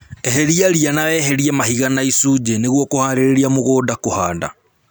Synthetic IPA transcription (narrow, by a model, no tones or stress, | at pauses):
eɦeɾiaɾianawɛɦɛɾiɛmahiɣanaisuːd͡ʒeneɣwɔkohaːɾeɾeɾiamoɣoːdakohaːda̰